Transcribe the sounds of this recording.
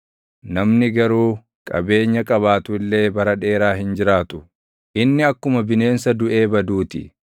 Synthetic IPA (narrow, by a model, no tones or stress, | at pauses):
nɐmnɪɡɐɾuː | kʼɐ̰be̞ːɲːɐkʼɐβaːt̪ʊɪlːe̞ːbɐɾɐᶑe̞ːɾaːɦɪnd͡ʒɪɾaːt̪ʊ̥ | ʔɪnːɪɐkːʊmɐbɪne̞ːnsɐd̪ʊʔe̞ːbɐd̪uːt̪ɪ̰